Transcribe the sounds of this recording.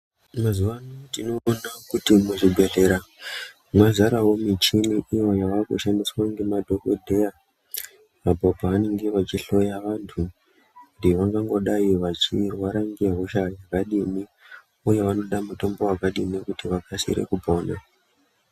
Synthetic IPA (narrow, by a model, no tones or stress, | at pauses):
mazuʋanotino̞ːnakutimeʐiɡʱe̞ɮe̞ɾa | mwazaɾaɦo̞mit͡ʃimiʔiwojaʋako̰ʃandiswaŋɡe̞madʱo̞kodʱeja | ʋabʱobʱaʋane̞ŋɡe̞ʋat͡ʃiɬo̞jaʋantʰu | kundiʋaŋɡaŋɡo̞ɗaiʋat͡ʃirwaɾaŋɡe̞ɦoʃajakaɗimi | uje̞ʋano̞ɗamuto̞mbo̞wakaɗimiekutiʋakʰasḭɾḛkupoːna